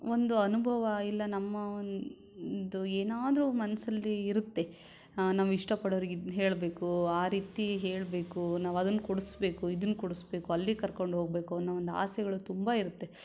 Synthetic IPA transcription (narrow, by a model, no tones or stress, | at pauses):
o̞nd̪uɐnubʱɐʋɐilːɐnɐmːɐon | d̪ueːnaːd̪ɐɾumɐnɐsɐlːiːɾut̪ːe̞ | naːʋiʂʈɐpɐɽoʋɾiɡɦe̞ːɭbe̞ːkuaːɾiːt̪iɦe̞ːɭbe̞ːkunaːʋɐd̪ɐnːkuɽusbe̞ːkuid̪ɐnːkuɽusbe̞ːkuɐlːikɐɾko̞ɳɖɦo̞ːɡ̚be̞ːkunːɐond̪a̰ːsɛɡɐɭut̪umbɐiɾut̪ːe̞